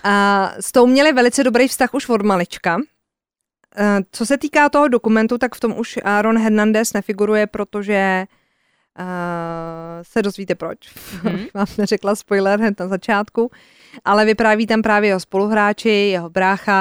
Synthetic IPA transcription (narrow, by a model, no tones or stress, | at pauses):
st̪o̞wmɲɛlɪvɛlɪt͡sɛdo̞bɾejfst̪axuʃvo̞dmalɪt͡ʃka | t͡so̞sɛt̪iːkaːt̪o̞ɦo̞dokumɛnt̪ut̪akft̪omʔuʃɾonɦɛɾnandɛsnɛfɪɡuɾujɛpɾo̞t̪o̞ʒɛ | sɛdo̞zviːt̪ɛpɾo̞t͡ʃabɪxvaːmnɛrɛklaspojlɛɾɦnɛt̪nazat͡ʃaːt̪ku | ʔalɛvɪpɾaːviːt̪ampɾaːvjɛjɛɦospo̞luɦɾaːt͡ʃɪjɛɦobɾaːxa